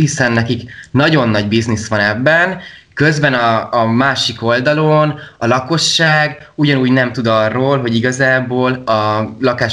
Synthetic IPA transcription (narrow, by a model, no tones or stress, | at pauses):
ɦisɛnːɛkiknɒɟo̞nːɒɟbiznisʋɒnɛbːɛn | kø̞zbɛnɒːmaːʃiko̞ld̪ɒlonɒlɒko̞ʃːaːɡ | uɟɒnuːɟnɛmt̪ud̪ɒrːoːlɦo̞ɟiɡɒzaːboːlɒlɒkaːʃ